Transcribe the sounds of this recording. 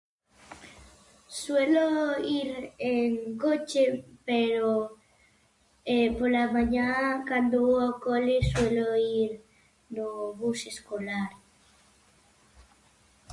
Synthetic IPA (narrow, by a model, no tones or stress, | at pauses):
sweloiɾeŋkot͡ʃepeɾo | epolamaɲãkand̪oakolesweloiɾ | noβuseskolaɾ